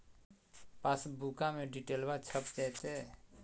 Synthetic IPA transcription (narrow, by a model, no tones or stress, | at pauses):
pasbʱukamẽɖiʈeːlbat͡ʃʰəpd̪ɛːt̪e